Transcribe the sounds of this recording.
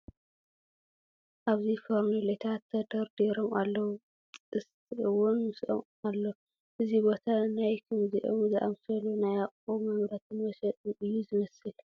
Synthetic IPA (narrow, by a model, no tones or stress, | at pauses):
ʔaβzifoɾnulet̪ʰat̪ʰːɐd̪ɐɾd̪eɾomalːɐwʼ | ɨst̪ʰɨʔɨwʊnmɨsʔo̰m | alːo | ʔɨzibo̞t̪ʰanajkʰɨmziʔo̰mzɨʔa̰msɐlonajaχʼomɐmɾɐt̪ʰɨnmɐʃɐt̪ʼɨnʔɨjːuzɨmɐsɨl